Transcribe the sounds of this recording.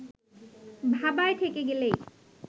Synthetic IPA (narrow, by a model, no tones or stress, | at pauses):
bʱabaet̪ʰekeɡele